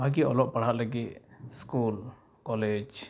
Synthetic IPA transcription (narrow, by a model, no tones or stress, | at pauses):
bʱaɡiɔlɔʔ̚paɽ̤aʔlaɡiʔ̪skul | kɔled͡ʒ